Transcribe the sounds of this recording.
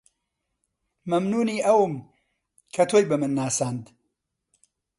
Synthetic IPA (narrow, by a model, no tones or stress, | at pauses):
mɐmnuːniːʔɐwɨm | kʰɐt̪ʰoːjbɐmɨnːaːsaːnd̪